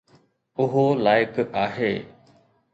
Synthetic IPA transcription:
ʊɦoːlaːɪkaːɦeː

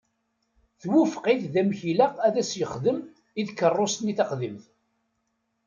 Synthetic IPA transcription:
θwufqɪθðæmçilæʁæðæsjəχðəm | iðkːərˤːost̪niθɑqðimθ

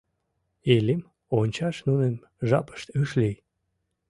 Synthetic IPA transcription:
elim | onʲt͡ɕɑʃnunen | ʒɑ̰pə̥ʃt̪yʃlij

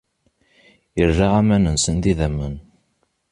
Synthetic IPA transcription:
jərːaʁæmænənsənðiðæmːən

